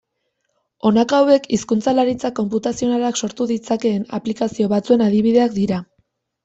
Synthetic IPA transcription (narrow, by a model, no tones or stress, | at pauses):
o̞nakawe̞kiskunt͡salaɾit͡sako̞mput̪asio̞nalakso̞ɾt̪uðit͡sake̞ːnaplikasio̞βat͡sue̞nað̞iβ̞iðe̞ak̚d̪iɾa